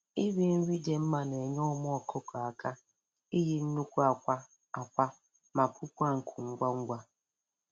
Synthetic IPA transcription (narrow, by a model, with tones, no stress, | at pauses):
i˦bi˦n̩˦ɾi˦d͡ʒe˨m̩˦ma˨ne˨ɲɔ˦m˦ɔ˨kʰo˦kɔ˨a˨ka˦ | i˦ɦi˦n̩˦nu˦kʷu˦a˨kʷa˦ | a˨kʷa˦ | ma˨pu˦pu˦a˦˨ŋ̩˨kʰu˨ŋ̩˦ɡʷa˦ŋ̩˦ɡʷa˦